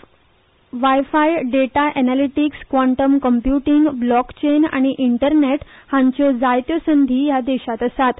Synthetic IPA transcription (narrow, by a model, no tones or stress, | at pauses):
ʋajfajɖeʈaʔɛnaliʈikskʋaɳʈəmkəmpjuʈiŋɡblɔkt͡ɕena̰ɽ̃iʔiɳʈəɾneʈ | hãɲt͡ɕɔd͡zajt̪jɔsənd̪ʱiːjad̪eɕat̪əsat̪